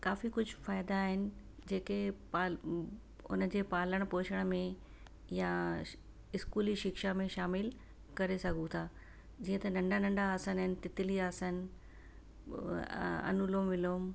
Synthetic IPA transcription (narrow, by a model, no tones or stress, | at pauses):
kaːfikʊd͡ʑʱʊfaːɪd̪aːɦɪnɪ̆d͡ʑeːkepaːl | ʊ̰nəd͡ʑeːpaːləɽ̃poːʃʰəɽ̃mẽ | ja | ɪskuːliʃɪkʃamẽʃaːmɪl | kɐɾesɐɡʱũt̪ʰaː | d͡ʑiːə̃t̪ɐnɐ̃ɳɖʱanɐ̃ɳɖaːsənɦɪnɪ̆t̪ɪt̪ɪliaːsən | ɐ̰nuloːmʋɪloːm